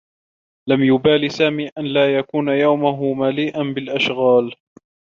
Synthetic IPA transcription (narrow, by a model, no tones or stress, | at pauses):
lamjʊbaːlisaːmiːʔanlaːjakuːnajawmʊɦʊmaliːʔanbɪlʔaʃɣaːl